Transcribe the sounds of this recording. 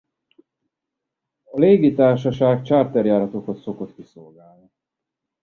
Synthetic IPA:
ɒleːɡit̪aːrʃɒʃaːɡt͡ʃaːrt̪ɛrjaːɾɒt̪o̞kot̪so̞ko̞t̪kiso̞lɡaːlni

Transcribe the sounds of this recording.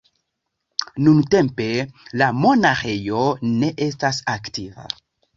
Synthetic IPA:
nunte̞mpe̞lamo̞naxejo̞ne̞ʔe̞stasaktiva̰

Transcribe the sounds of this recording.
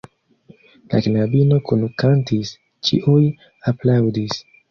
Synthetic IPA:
la̰knabino̞kunukantis | t͡ʃḭʔuj | aplawdis

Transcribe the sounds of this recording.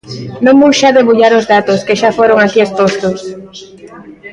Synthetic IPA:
nõŋmuʃaðeβuʎaɾʊzðat̪oskeʃafoɾoŋakiespost̪ʊs

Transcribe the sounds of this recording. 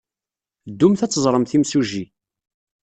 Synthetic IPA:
d̪ːumθæt͡sːəzˤɾˤəmθimsuʒi

